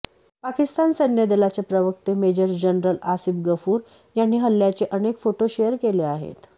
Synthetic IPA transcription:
pakist̪ansənjəd̪elat͡sepɾəʋək̚t̪emed͡ʑəɾsd͡ʑənɾəlasifɡəfuːɾ | janːiːɦəlːjat͡seʔənekfoʈoɕejəɾkeleaɦḛt̪

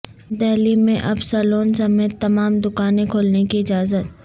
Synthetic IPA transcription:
d̪ɛːlimẽʔɐbsaːloːnsɐmeːt̪ːɐmaːmd̪ʊkaːnẽkʰoːlnekiɪd͡ʒaːzət̪

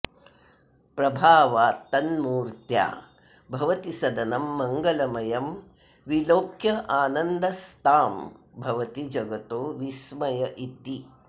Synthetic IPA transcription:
pɾɐbʱaːʋaːt̪ɐnmuːɾt̪ja̰ː | bʱɐʋɐt̪isɐd̪ɐnɐmːɐŋɡɐlɐmɐjɐm | ʋiloːkʰjɐʔaːnɐnd̪ɐst̪aːmbʱɐʋɐt̪id͡ʒɐɡɐt̪oːʋismɐjɐʔit̪i

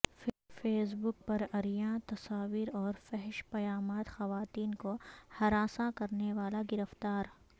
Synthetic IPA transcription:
f | feːs̬bʊk̚pɐɾɐɾijãt̪ɐsaːʋiːɾɔːɾfɛɦɪʃpɐjaːmaːt̪xɐʋaːt̪iːnkohɐɾaːsakɐɾneʋaːlaɡɪɾəft̪aːɾ

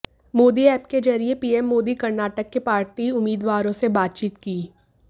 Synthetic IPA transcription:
moːd̪iɛːpked͡ʒɐɾiepiːɛmːoːd̪ikɐɾnaːʈəkːepaːɾʈiʊmːiːd̪waːɾõsebaːt̪̚t͡ʃiːt̪kiː

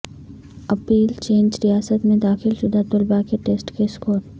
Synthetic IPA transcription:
ɐpiːlt͡ʃeːnd͡ʒɾijaːsət̪mẽd̪aːxɪlʃʊd̪ʱat̪ʊlbakeʈeːsʈkeskoːɾ

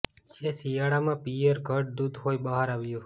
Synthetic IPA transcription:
d͡ʒesijaɽamãpijəɾɡʱəʈ̚d̪ud̪ʱɦoibəɦaɾaʋjũ

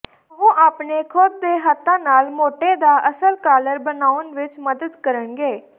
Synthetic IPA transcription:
ʋõːʔaːpneːkʰʊd̪̚d̪eːɦət̪ːãːnaːlmoːʈeːd̪aːʔəsəlkaːləɾbənaːʊənʋɪt͡ʃməd̪əd̪kəɾəɳɡeː

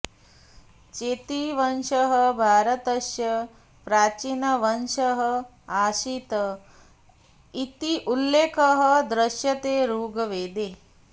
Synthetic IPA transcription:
t͡ʃeːt̪iʋɐnʃɐɦəbʱaːɾɐt̪ɐʃjɐ | pɾaːt͡ʃinɐʋɐnʃɐɦə | aːʃit̪ɐ | it̪iʔulːeːkʰɐɦə̆d̪ɾɐʃjɐt̪eːɾuːɡɐʋeːd̪eː

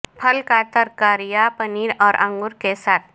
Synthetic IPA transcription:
pʰəlkaːt̪əɾkaːɾijapəniːɾɔːɾʔɐ̰̃ŋɡʊɾkesaːt̪̚ʰ

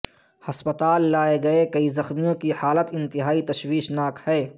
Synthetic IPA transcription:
hɐspət̪aːlːaːeɡɐekɐizɐxmijõkihaːlət̪ɪ̃nt̪ɪɦaːit̪ɐʃwiːʃnaːkhɛː

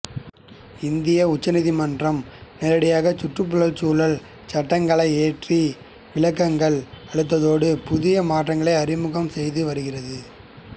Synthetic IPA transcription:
ɪnd̪ɪjɐʊt͡ʃːɐnɪðimɐndrɐmnɛːɾɐɽɪjaːɣɐt͡ʃʊʈrɯpːʊɻɐɭt͡ʃuːlɐɭ | t͡ʃɐʈːɐŋɡɐɭɐɪeːʈri | ʋɪɭɐkːɐŋɡɐɭɐɽɯt̪̬ːɐðoːɽɯpʊðɪjɐmaːʈrɐŋɡɐɭɐɪɐɾɪmɯɣɐmsɛjðɯʋɐɾɯɣɪrɐðɯ

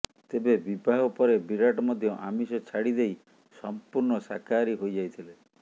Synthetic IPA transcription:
t̪ebebibʱaɦɔpɔɾebiɾaʈɔmɔd̪ʱjɔʔa̰misɔt͡ʃʰaɽid̪ej | sɔmpuɾɳɔsa̰kaɾiɦojd͡ʒajt̪ʰile

